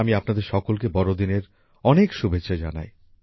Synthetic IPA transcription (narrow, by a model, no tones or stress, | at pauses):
amiapnad̪eɾʃɔkolkebɔɾod̪ineɾ | ɔnekʃubʱetːɕʰad͡ʑa̰na̰j